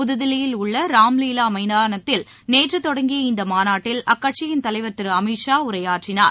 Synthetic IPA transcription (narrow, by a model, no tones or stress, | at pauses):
ʊðɯðɪlɪjɪlʊɭːɐɾaːmliːlaːmɐɪnaːnɐt̪ːɪl | neːʈrɯt̪ːɔɽɐŋɡɪjɐɪnd̪ɐmaːnaːʈːɪlɐkːɐʈ̚t͡ʃɪjɪnt̪ɐlɐɪʋɐʈːɯɾɯɐmiʂaːʊɾɐjaːʈrɪnaːɾ